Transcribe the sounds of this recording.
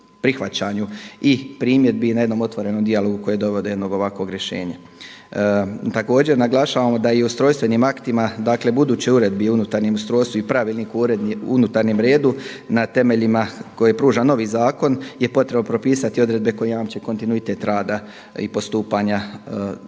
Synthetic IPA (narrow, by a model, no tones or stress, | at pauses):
pɾixʋat͡ɕaɲuipɾiːmje̞d̪̚binaje̞d̪nomo̞t̪ʋo̞ɾe̞no̞md̪ialo̞ɡuko̞jed̪o̞ʋo̞d̪ee̞d̪no̞ɡo̞ʋakʋo̞ɡɾʲjeʃe̞̰ːɲa | t̪ako̞ːd͡ʑe̞ɾnaɡlˠaʃaːʋamo̞d̪aiust̪ɾo̞ːjst̪ʋe̞nimakt̪imad̪aːkle̞bud̪uːt͡ɕeuɾe̞d̪̚biunut̪aɾnemust̪ɾoːjst̪uipɾaʋilnikuɾed̪unut̪aɾnemɾe̞ːd̪u | nat̪e̞me̞ʎimako̞jepɾuːʒano̞ʋiːzaːko̞nje̞po̞t̪ɾebnopɾo̞piːsat̪io̞d̪ɾe̞d̪̚be̞ko̞jejaːmt͡ɕeko̞nt̪inuit̪e̞t̪ɾaːd̪a | ḭpo̞st̪uːpaɲa